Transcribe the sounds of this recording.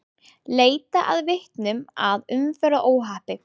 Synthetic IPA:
leːjt̪aʔaðvɪht̪nʏmaðʏmfɛːɾaʔoːwɦaːhpɪ

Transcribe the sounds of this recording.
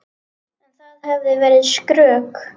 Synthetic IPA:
nɛnθaðhɛvðɪvɛːɾɪðskɾœːk

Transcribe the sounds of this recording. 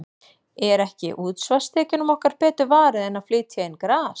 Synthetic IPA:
ɛɾɛhcɪ̰ʔuːt̪svast̪ʰɛːcɪnʏmɔhkaɾ̥pɛːt̪ʏvaːɾɪðɛnːaflɪːt̪ʰjaɪnkɾaːs

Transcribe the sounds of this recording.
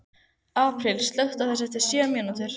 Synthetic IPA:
aːpʰɾɪlst̪lœht̪aθɛs̬ːɛht̪ːɪ̥sjɛːmɛnut̪ɪɾ̥

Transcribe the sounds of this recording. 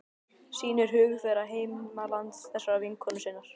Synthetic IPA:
siːnɛɾ̥ɦʏːɣʏfɛːɾaɦeːjmmalant̪sθɛsːaɾaviŋkʰɔnʏsɪːnːaɾ̥

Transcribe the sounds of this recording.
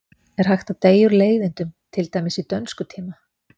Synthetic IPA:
ɛɾ̥hɦajxt̪at̪eːjʏɾleːjðɪnt̪ʏmt̪ʰɪlt̪aːjmɪsit̪œnskʏt̪ʰiːma

